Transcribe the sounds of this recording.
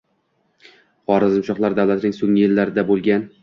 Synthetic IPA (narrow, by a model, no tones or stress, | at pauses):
χɒɾɪzmʊʃɒqlˠaɾd̪awlˠat̪ʰɪnɪŋsoŋɪjɪlːaɾɪd̪abolˠɡʲan